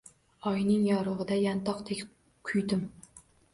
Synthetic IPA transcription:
ɒjnɪŋjɒɾʊʁɨd̪ajant̪ʰɒqt̪ʰekʲ | kʰʊjd̪ɪm

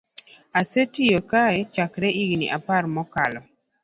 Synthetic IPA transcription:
asetijokaɛt͡ʃakɾɛiɡnḭʔapaɾmɔkalɔ

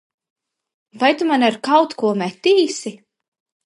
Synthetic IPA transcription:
vajt̪umanaɾkawt̪kuɔmɛt̪iːsi

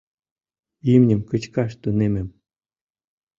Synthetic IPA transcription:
imnʲɘ̆mkə̆t͡ɕkɑʃt̪unemʲɘ̆m

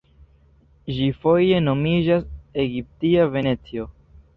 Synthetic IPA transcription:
ʒifo̞je̞no̞mid͡ʒase̞ɡip̚tiave̞ne̞t͡sio̞

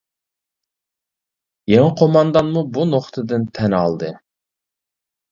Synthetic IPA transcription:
jeŋɪqʰomɑnd̪ɑnmubunoχt̪ʰɨd̪ɨnt̪ʰɛnɑlˠd̪ɨ

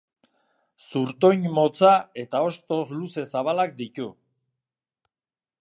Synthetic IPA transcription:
suɾt̪o̞ɲmo̞t͡sae̞t̪ao̞st̪o̞sluse̞saβalak̚d̪it̪u

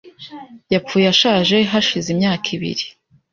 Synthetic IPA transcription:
japp͡fujaʃaːʒe̞ɦaʃizimɲaːkʰiβḭɾi

